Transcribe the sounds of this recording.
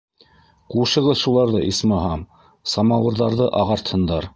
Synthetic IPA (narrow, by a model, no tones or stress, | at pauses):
quʃɤ̆ʁɤðʃulˠɑɾðɤʔismɑɦɑm | sɑmɑwɤ̆ɾðɑɾðɤʔɑʁɑɾt̪hɤ̆nd̪ɑɾ